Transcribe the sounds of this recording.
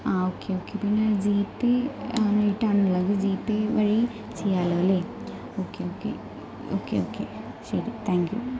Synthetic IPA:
aːoːkeoːkepinːɐd͡ʑiːpːenejʈːaːɳɐlaːɡɨd͡ʑiːpːeʋɐɻi | t͡ʃejaːloːleː | oːkeoːkḛ | o̰ːkḛoːkḛ | ʃɐɾit̪ʰaːŋkjṵ

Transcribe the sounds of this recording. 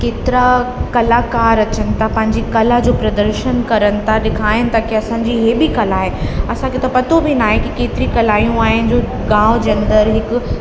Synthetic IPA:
keːt̪ɪɾakɐlaːkaːɾɐt͡ɕənɪ̆t̪ʰapɐ̃ɦɪ̃ɲd͡ʑikɐlad͡ʑoːpɾɐd̪əɾʃənkɐɾənɪ̆t̪ʰaɗɪkʰaːɪnɪ̆t̪akiɐsãːɲd͡ʑiɦeːbikɐlaːɦeɐsãkʰet̪ɐpɐt̪obʱinaːɦekikeːt̪ɪɾikɐlaːijũaːɦɪnɪ̆d͡ʑoː | ɡãːʊd͡ʑeɐ̃nd̪əɾɦɪkʊ̆

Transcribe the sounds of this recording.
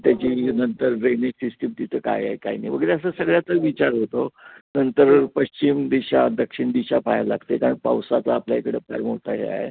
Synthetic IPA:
t̪jat͡ɕiːnənt̪əɾɾeneksisʈimt̪it̪ʰəka̰ja̰ɦeka̰inaiʋəɡəɾeəs̬əsəɡɭjat͡s̪əɾʋit͡ɕaɾɦot̪onənt̪əɾpəɕt͡ɕimd̪iɕad̪əkʂiɳd̪iɕapajala̰ɡt̪ekaɾəɳpawsat͡saːpljaekɽepa̰ɾmoɽt̪a̰ɦḛa̰ɦḛ

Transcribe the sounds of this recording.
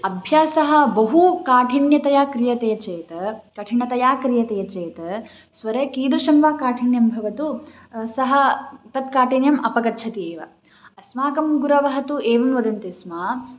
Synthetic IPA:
ɐbʱjaːsɐɦɐ̆bɐɦukaːʈʰiɳjɐt̪ɐjaːkɾijɐt̪eːt͡ʃeːt̪ɐkɐʈʰiɳɐt̪ɐjaːkɾijɐt̪eːɐt͡ʃeːt̪ɐ | sʋɐɾeːkiːd̪ɾuʃɐmʋaːkaːʈʰiɳjɐmbʱɐʋɐt̪u | sɐɦɐ̆t̪ɐt̪kaːʈʰinjɐmʔɐpɐkɐt̪ːt͡ʃʰɐt̪ieːʋɐ̰ | ɐsmaːkɐmɡuɾɐʋɐɦɐt̪ueːʋɐmʋɐd̪ɐnt̪ismaː

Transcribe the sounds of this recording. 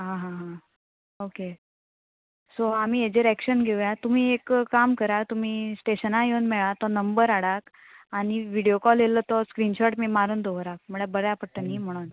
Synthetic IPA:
ɦãɦãɦã | oke | soam̤iːed͡ʑeɾækɕənɡʱeʋjat̪um̤iːekːamkəɾat̪um̤iːsʈeɕənãjeunmɛɭat̪ɔnəmbəɾaɽak | aɽ̃iʋiɽijokɔlelət̪ɔskɾinɕɔʈmiːmaɾuːnd̪ʱoʋɾak̚məɽ̃ebəɾjapəɽʈ̪ənim̤əɽ̃un

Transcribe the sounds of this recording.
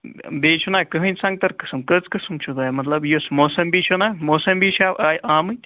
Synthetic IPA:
bit͡ʃʰunakɨɦɨnsɐŋ̚t̪ɐɾkɨ̥sɨmkɨt͡skɨsɨmt͡ʃʰud̪amɐt̪lɐbjusmosɐmbiːt͡ʃʰunamosɐmbiʃʰabajʔaːmɨ

